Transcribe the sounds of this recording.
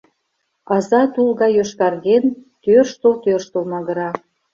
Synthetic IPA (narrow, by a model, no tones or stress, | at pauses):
ɑzɑt̪ulɣɑjøʃkɑrɣent̪ørʃt̪olt̪ørʃt̪olmɑɣə̆ɾɑ